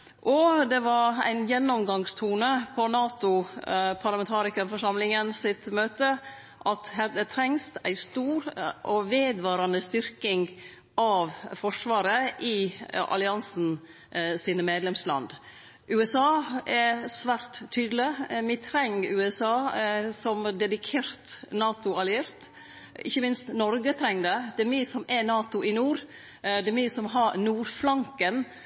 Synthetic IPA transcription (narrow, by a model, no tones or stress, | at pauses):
ʔɔd̪ɛʋɑɾæ̰ɪnjɛnːɔmɡɑŋst̪ʰuːnəpʰɔnɑːt̪ʊpʰɑɾlɑmɛnt̪ʰɑːɾɪkəfɔʂɑmlɪŋənsɪt̪møːt̪ə | ʔɑt̪ɦɛd̪ət̪ʰɾɛŋst̪æ̰ɪst̪uːɾʔɔʋeːd̪ʋɑːɾɑnəst̪ʏɾkɪŋ | ʔɑʋfɔʂʋɑːɾəʔɪʔɑ̰lɪɑnsn̩ | siːnəmeːd̪lɛmslɑ̰nd̪ | ʔʉːɛsɑːɛsʋæːɾt̪ʰːyːd̪əlɪmɪt̪ʰɾɛŋːɾʉːɛsɑːsɔmd̪ɛd̪ɪkʰeːɾt̪nɑːt̪ʊɑlɪeɾt̪ | ɪ̰çːəmɪnst̪nɔɾɡət̪ʰɾɛŋːd̪ɛd̪̥ɛmisɔmɛnɑːt̪ʊʔɪnuːɾ | d̪ɛmisɔmɦɑɾnuːɾflɑŋkən